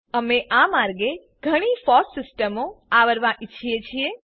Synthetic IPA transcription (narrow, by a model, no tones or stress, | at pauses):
əmeʔamaɾɡe | ɡʱəɽ̃ifɔssɪsʈəmoaʋəɾʋãʔit͡ʃʰijet͡ʃʰie